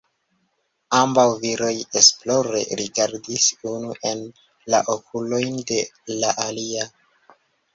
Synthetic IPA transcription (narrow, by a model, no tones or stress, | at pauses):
ambawviɾo̞je̞splo̞ɾe̞̰ɾiɡaɾdisunuʔe̞n | la̰ʔo̞kʰulo̞jnde̞laʔalia